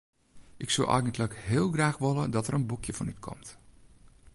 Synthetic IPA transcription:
ʔɪksə̰lʔa̰jɡəntləkhɪːlˠɡraːxʋolədɔtəɾənbukʰjəfɔnytkʰɔ̰mt

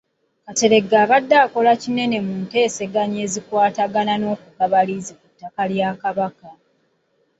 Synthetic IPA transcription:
kate̞ɾe̞ɡaːβadːaːko̞lacine̞ne̞muːnte̞ːse̞ɡaɲe̞ːzikwaːtaɡanano̞ːkukaβalizikutːakaljaːkaβaka

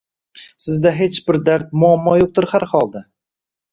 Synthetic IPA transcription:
sɪzd̪aɦe̞t͡ʃbɪɾd̪aɾt̪̚mʊamːɒjoq̚t̪ʊɾhaɾhɒlˠd̪a

